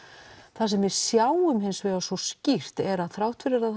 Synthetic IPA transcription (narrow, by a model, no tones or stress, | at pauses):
θasɛmvɪðsjaːwʏmɦɪnsvɛɣasɔscir̥t̪ɛɾaðθɾaːwht̪ʰvɪɾaɾa